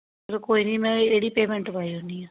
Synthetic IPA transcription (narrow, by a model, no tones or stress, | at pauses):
ɾkoːiːnĩːmɛ̃ːeːɽiːpeːmɛ̃ɳʈpaːiːɦoːniːaː